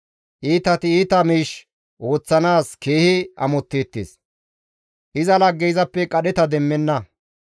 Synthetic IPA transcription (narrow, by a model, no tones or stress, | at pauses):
ʔiːt̪ɐt̪ɪiːt̪ɐmiːʃ | ʔo̞ːt͡sːɐnaːske̞ːhɪɐ̰mɔt̪ːeːt̪ːḛːs | ʔɪzɐlɐɡːɛjzɐpːɛkʼɐɗɛt̪ɐd̪ɛmːɛnːɐ